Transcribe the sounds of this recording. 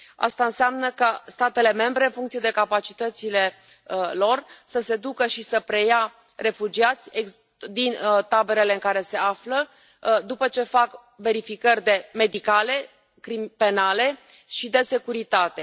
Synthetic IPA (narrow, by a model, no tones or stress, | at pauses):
a̰st̪aɨnseamnəkast̪at̪e̞le̞me̞mbɾe̞ɨnfuŋkt̪sije̞d̪e̞kapat͡ʃit̪ət̪sile̞ | lo̞rsəse̞d̪ukəʃisəpɾe̞ja | re̞fud͡ʒiat̪sʲeɡ | d̪int̪abe̞ɾe̞le̞ɨŋkaɾe̞se̞aflə | d̪upət͡ʃe̞fak | ve̞ɾifikərʲd̪e̞me̞d̪ikale̞ | kɾimpe̞nale̞ | ʃid̪e̞se̞kuɾit̪at̪e̞